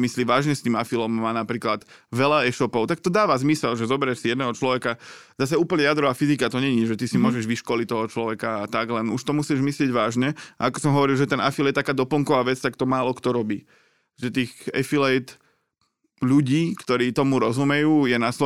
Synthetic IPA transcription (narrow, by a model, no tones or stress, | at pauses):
misliʋaːʒɲɛst̪iːmafilɔmːaːnapɾiːklat̪ʋɛlaɛʃɔpɔʊt̪akt̪ɔd̪aːʋazmisɛlʒɛzɔbɛɾɛʃsijɛd̪nɛɦɔt͡ʃlɔʋɛkazas̬auːpl̩ɲɛjad̪ɾɔʋaːfizikat̪ɔɲɛɲiɛʒɛt̪isimʊɔʒɛʒʋiʃkɔlic̚t̪ɔɦɔt͡ʃlɔʋɛkaat̪aɡlɛnuʃt̪ɔmusiɛʒmislɪɛɟʋaːʒɲɛaakɔ̥sɔmɦɔʋɔɾilˠʒɛt̪ɛnafiljɛt̪akaːd̪ɔpl̩ŋkɔʋaːʋɛt͡st̪akt̪ɔmaːlɔkt̪ɔɾɔbiː | ʒɛt̪iːɣɛ̰filɛjt̪ | ʎuɟiːkt̪ɔɾiːt̪ɔmuɾɔzumɛjuːjɛnaslɔ